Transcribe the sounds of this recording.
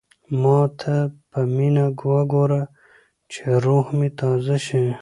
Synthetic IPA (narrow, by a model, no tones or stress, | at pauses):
mɑ̃ːt̪ʰapɐminaɡuwaɡoːɾa | t͡ɕʰeɾuːhmit̪aːzaɕĩ